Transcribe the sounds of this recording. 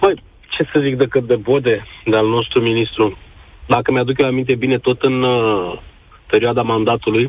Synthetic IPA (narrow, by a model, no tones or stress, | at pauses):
pəj | t͡ʃe̞səzik̚d̪ekəp̚d̪ebod̪e̞d̪ealno̞st̪ɾuminist̪ɾud̪akəmead̪ukjoamint̪̬e̞bine̞t̪o̞t̪ɨn | pe̞ɾioad̪amand̪at̪uluj